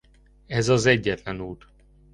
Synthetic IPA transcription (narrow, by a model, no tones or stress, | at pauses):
ɛzɒzɛɟːɛt̪lɛnuːt̪